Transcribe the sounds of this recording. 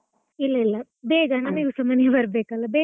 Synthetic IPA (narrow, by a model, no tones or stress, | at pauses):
ilːɐilːɐ | beːɡɐnɐmiːɡusɐmɐnjɐbɐɾbeːkɐlːɐbeː